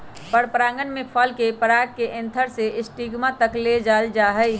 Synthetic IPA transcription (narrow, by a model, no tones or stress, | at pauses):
pəɽpɾãːŋɡənmẽpʰəlkepəɾaːɡkeʔɪ̃nt̪ʰəɾseʔɪsʈiɡmãt̪əkled͡ʒaːld͡ʒaːɦəj